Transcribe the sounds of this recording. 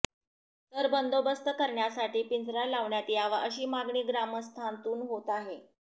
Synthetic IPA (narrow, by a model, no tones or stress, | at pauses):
t̪əɾbənd̪obəst̪əkəɾɳjasaʈiːpind͡zɾalaʋɳjat̪iːaʋaʔəɕiːmaɡɳiːɡɾaməst̪ʰant̪uːnɦot̪aɦe